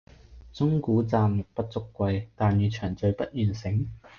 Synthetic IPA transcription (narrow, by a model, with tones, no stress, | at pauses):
t͡sʊ˥ŋkuː˨˥t͡saː˧mːʊ˨k̚pɐ˥t̚t͡sʊ˥kːʷɐ˧jt̪aː˨njyː˨˧t͡ʃʰœː˨˩ŋt͡sɵ˧ɥpɐ˥t̚jyː˨˩nsɪ˨˥ŋ